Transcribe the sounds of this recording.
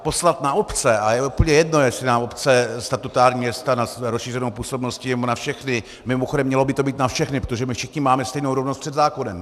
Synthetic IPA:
po̞slat̪naopt͡sɛajɛupl̩ɲɛjɛdnojɛsɪnaːmopt͡sɛst̪at̪ut̪aːɾɲiːmjɛst̪anasɛɾosʃiːrɛnowpuːsobnoscɪjɛbonafʃɛxnɪ | mɪmoxodɛmːɲɛlo̞bɪt̪o̞biːt̪nafʃɛxnɪpɾot̪oʒɛmɪfʃɪxɲɪmaːmɛst̪ɛjnowɾovnost̪pr̥ɛd̪zaːkonɛm

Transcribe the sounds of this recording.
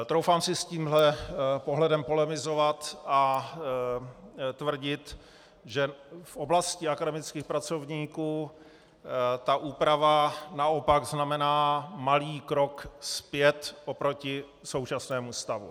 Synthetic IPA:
t̪ɾowfaːmsɪsciːmɦlɛpoɦlɛdɛmpo̞lɛmɪzo̞vat̪ʔa | t̪vr̩ɟɪt̪ | ʒɛfʔoblascɪakadɛmɪt͡skiːxpɾat͡so̞vɲiːkuː | t̪aʔuːpɾavanao̞paɡznamɛnaːmaliːkɾokspjɛt̪ʔopɾocɪ | so̞wt͡ʃasnɛːmust̪avṵ

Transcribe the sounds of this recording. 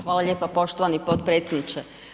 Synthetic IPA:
xʋaːlˠaʎeːpapo̞ʃt̪oʋanipot̪pɾet̪sʲjed̪nit͡ʃe

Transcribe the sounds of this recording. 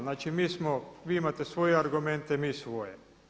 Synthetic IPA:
naːt͡ʃimiːsmoʋiːimat̪esʋo̞jeaɾɡument̪emiːsʋo̞je

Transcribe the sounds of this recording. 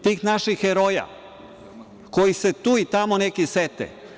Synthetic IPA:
t̪iːxnaʃixeɾoja̰ | kojiset̪uːit̪amonekiset̪ɛ̰

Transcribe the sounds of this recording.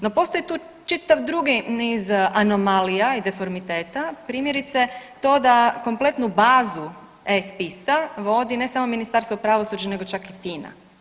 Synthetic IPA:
nopo̞ːst̪o̞jit̪uː | t͡ʃit̪aʋd̪ɾuɡinizanomalijaid̪efoɾmit̪e̞ːt̪apɾiːmjeɾit̪set̪o̞ːd̪ako̞mplˠe̞t̪nubaːzu | espisaʋo̞d̪inesamo̞minist̪aɾst̪vopɾaʋo̞sud͡ʒane̞ɡo̞t͡ʃakifiːna̰

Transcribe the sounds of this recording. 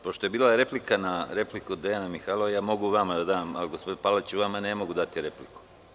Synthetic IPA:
po̞ʃt̪o̞jebiːlaɾe̞plikanaɾe̞plikud̪ejanamixalˠoʋajaːmo̞ɡuʋamad̪ad̪aːmaliɡospod̪palat͡ɕuʋamane̞moɡud̪at̪iɾe̞pliku̥

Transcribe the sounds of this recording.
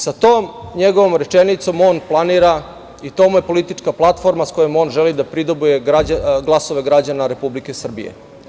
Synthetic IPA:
sat̪oːmɲeɡo̞ʋo̞mɾet͡ʃenit̪so̞mo̞nplˠaniːɾa | it̪omujepo̞lit̪it͡ʂkaplˠat̪fo̞ɾmasko̞jemo̞ːnʒelid̪apɾid̪obuje̞ɡaɡlˠaso̞ʋe̞ɡɾad͡ʑanaɾe̞publike̞sr̩bḭjḛ

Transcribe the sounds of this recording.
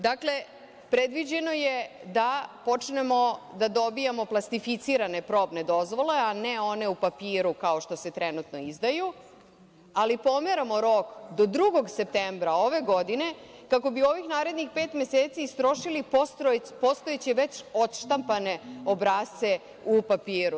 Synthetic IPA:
d̪akle̞ | pɾe̞d̪ʋid͡ʑe̞no̞je̞d̪apo̞t͡ʂne̞mo̞d̪ad̪o̞bijamo̞plˠast̪ifit̪siɾane̞pɾo̞ːbne̞d̪o̞zʋo̞le̞aneo̞ne̞upapiːɾukao̞ʃt̪o̞se̞t̪ɾenut̪no̞izd̪aju | alipo̞meɾamoɾo̞kd̪o̞d̪ɾuɡo̞ɡsep̚t̪embɾao̞ʋe̞ɡo̞d̪ine̞kako̞bio̞ʋixnaːɾe̞d̪nixpeːt̪me̞seːt̪siːst̪ɾo̞ʃilipspo̞st̪o̞et͡ɕeʋe̞t͡ɕo̞t̪ʃt̪ampane̞o̞bɾaːst̪se̞ | upapiːɾu

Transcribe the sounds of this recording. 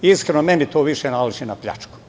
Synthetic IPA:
iskɾenomenit̪oːʋiʃenaliʒinapʎa̰t͡ʃku̥

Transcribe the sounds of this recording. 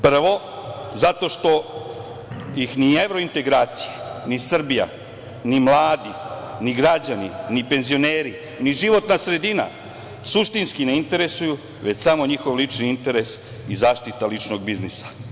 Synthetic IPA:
pr̩ʋo̞ | zat̪o̞ʃt̪o̞ | jixnie̞ʋɾo̞int̪e̞ɡɾaːt̪sijenisr̩bija̰ | nimlˠaːd̪iniɡɾad͡ʑaninipe̞nzio̞neːɾi | niʒiʋo̞t̪nasɾe̞d̪ina̰ | suʃt̪inskine̞int̪e̞ɾesuju | ʋe̞t͡ɕsamo̞ɲixo̞ʋlit͡ʃniint̪e̞ɾe̞s | izaːʃt̪it̪alit͡ʃno̞ɡ̚biznisḁ

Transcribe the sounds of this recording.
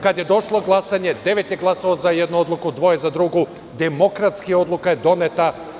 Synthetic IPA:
kad̪je̞d̪o̞ʃlˠo̞ɡlˠasaɲe̞d̪e̞ʋet̪jeɡlˠasaʋozajed̪nuo̞d̪lˠukud̪ʋo̞jezad̪ɾuɡu | d̪emo̞kɾat̪skio̞d̪lˠukajed̪o̞net̪a

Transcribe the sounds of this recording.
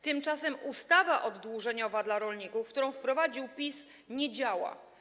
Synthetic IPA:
t̪ɘmt͡ʂasɛmust̪avaʔɔd̪ːwuʐɛɲɔvad̪laɾɔlɲikufkt̪uɾɔ̃w̃fpɾɔvad͡ʑiwpʲis | ɲed͡ʑawa̰

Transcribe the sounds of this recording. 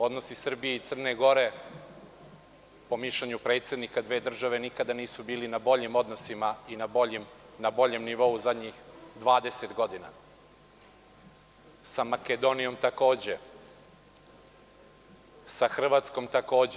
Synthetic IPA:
o̞d̪no̞sisr̩bijeit̪sr̩ne̞ɡo̞ɾe̞ | po̞miʃleɲupɾe̞ːt̪sje̞d̪nikad̪ʋe̞ːd̪r̩ʒaʋe̞nikad̪aniːsubiːlinabo̞ʎimo̞d̪no̞simainaboim | nabo̞ʎe̞mniʋo̞uzad̪ɲixd̪ʋaːd̪e̞se̞t̪ɡo̞d̪ina̰ | samaked̪o̞nijo̞mt̪ako̞ːd͡ʑe | saxr̩ʋaːt̪sko̞mt̪ako̞ːd͡ʑ

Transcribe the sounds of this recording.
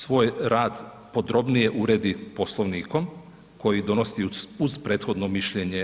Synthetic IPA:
sʋo̞ːjɾaːd̪ | po̞d̪ɾo̞bnije̞ʔuɾed̪ipo̞slˠoʋniːko̞m | ko̞jid̪o̞no̞siuz̥pɾeːt̪xo̞d̪no̞miʃʎeɲe

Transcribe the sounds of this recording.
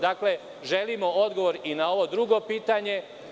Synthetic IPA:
d̪akle̞ | ʒe̞limo̞o̞d̪ɡo̞ʋo̞ɾinao̞ʋo̞d̪ɾuɡo̞piːt̪aɲe̞

